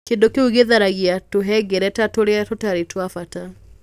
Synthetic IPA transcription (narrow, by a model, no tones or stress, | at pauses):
keːndokeuɣeðaɾaɣiatoɦɛɡeɾɛtatoɾeatotaɾetwafata